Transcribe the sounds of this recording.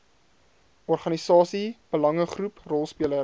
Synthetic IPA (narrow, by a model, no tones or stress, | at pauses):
ɔrχɐnisɑːsib̥əlɐŋəχruprɔlˠspiələ